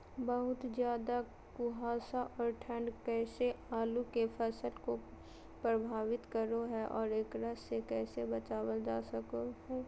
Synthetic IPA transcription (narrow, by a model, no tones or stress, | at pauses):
bɐɦʊt̪zjaːd̪a | kʊɦaːsaʔɔːɾʈʰə̃ɳɖkɛːseaːlukefʰɛːsəlko | pɾəbʱaːʋɪt̪kəɾoɦɛʔɔːɾeːkɾəsːekɛːsebɐt͡ʃaːwəld͡ʒaːsəkohɛː